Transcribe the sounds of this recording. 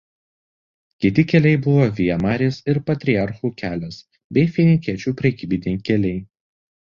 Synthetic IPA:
kʲɪt̪ʲɪkʲɛlʲɛɪbʊʋoːʋʲiɛmɑːɾʲeːsɪɾpɐt̪ʲɾʲɪɑɾxuːkʲʰæːlʲɛs | bʲɛɪfʲinʲɪkʲiɛt͡ʃʲuːpʲɾʲɛkʲiːbʲɪnʲɛɪkʲɛlʲɛɪ

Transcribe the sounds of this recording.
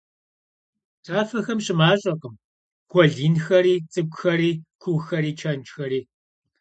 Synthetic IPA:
tʰaːfɐxɐmɕɪmaːɕʼɐqʼəm | ɡʷɔɮiːnxɐɾiːt͡sʼɨkʷʼxɐɾiːkʷʰʊxɐɾiːt͡ʃʰɐnt͡ʃʼxɐɾiː

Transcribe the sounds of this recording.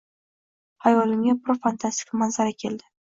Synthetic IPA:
ajɒlɪmʲapʰɾofant̪ʰast̪ɪ̥kʰamanzaɾakʲʰe̞ld̪ɪ̥

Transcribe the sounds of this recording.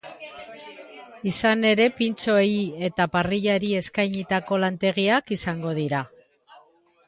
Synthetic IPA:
isane̞ɾe̞pint͡so̞eie̞t̪apariʎaɾie̞skajɲit̪ako̞lant̪e̞ɣ̞iakisaŋɡo̞ð̞iɾa

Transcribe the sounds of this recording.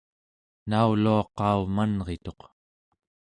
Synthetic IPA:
nauluɑqɑumanʁe̞t̪o̞q

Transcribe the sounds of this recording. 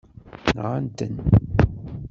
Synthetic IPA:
nʁant̪ə̰n

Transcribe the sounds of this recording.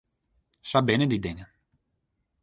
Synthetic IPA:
sabɪnədidɪŋə

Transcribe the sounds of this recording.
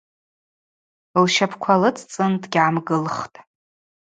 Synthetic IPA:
lʃapʰkʷʰalɨt͡sʰʼt͡sʼɨndɡʲaamɡɨlχtʼ

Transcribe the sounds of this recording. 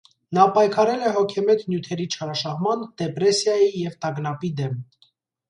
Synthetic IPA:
nɑpɑjkʰɑɾɛlɛɦɔkʰɛmɛt̪njut̪ʰɛɾit͡ʃʰɑɾɑʃɑhmɑnd̪̥ɛpɾɛsjɑjijɛvt̪ɑɡnɑpid̪ɛm

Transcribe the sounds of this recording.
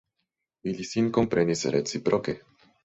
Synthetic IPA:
ilisinkompɾʔenisɾḛt͡sipɾʔoke

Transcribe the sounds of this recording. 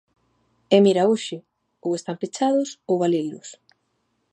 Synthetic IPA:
ɛmiɾauʃɪ | owest̪ampet͡ʃaðʊsowβalejlʊs

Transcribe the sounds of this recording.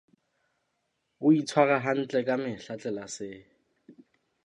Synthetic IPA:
ʊit͡sʰwaɣaɦan̩t͡ɬʼɛkʼamɪɬat͡ɬʼɛlasɪ

